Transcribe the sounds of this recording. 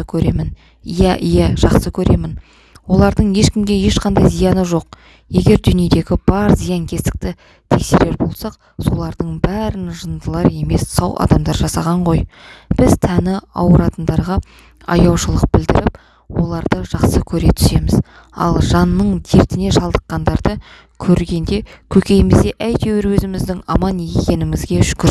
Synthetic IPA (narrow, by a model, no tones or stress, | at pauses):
əkʲʰɵɾe̞mɪn | jæʔjæʒ̥ɑqsəkʲʰɵɾe̞mɪn | wo̞lˠɑɾd̪əɴje̞ʃkʲɪmɡʲe̞je̞ʃqʰɑnd̪ɑjzijɑnəʒo̞q | je̞ɡʲe̞ɾd̪ʏnie̞d̪e̞ɡʲɪb̥ɑɾzijɑŋkʲʰe̞st̪ɪ̥k̚t̪ɪ | t̪ʰe̞kse̞ɾe̞ɾbo̞lˠsɑq | so̞lˠɑɾd̪əɴbæɾɪnʒənd̪əlˠɑɾe̞me̞ssɑwʔɑ̰d̪ɑmd̪ɑɾʒɑsɑʁɑɴʁo̞jb̥ɪzt̪ʰænɪɑ̰wəɾɑt̪ənd̪ɑɾʁɑ | ɑ̰jɑwʃəlˠəq̚b̥ɪld̪ɪɾɪp | wo̞lˠɑɾd̪əʒɑqsəkʲʰɵɾe̞t̪ʰʏ̥se̞mɪz̥ | ɑ̰lˠʒɑnːəɴt̪ʰeɾt̪ɪne̞ʃɑlˠd̪əqːɑnd̪ɑɾd̪ə | kʲʰɵɾɡʲe̞nd̪e̞kʲʰɵkʲe̞jɪmɪzd̪e̞ʔæjt̪ewɪɾwɵzɪmɪzd̪ɪŋɑmɑnje̞kʲe̞nɪmɪzɡʲe̞ʃkʲʏɾ